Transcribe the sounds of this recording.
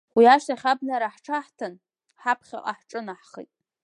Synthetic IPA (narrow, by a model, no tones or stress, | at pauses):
wiaʃaχʲabnaɾaħʈ͡ʂʰaħtʰan | ħapʰχʲa̰ʔʼa̰ħʈ͡ʂʼɨnaħχḭjtʼ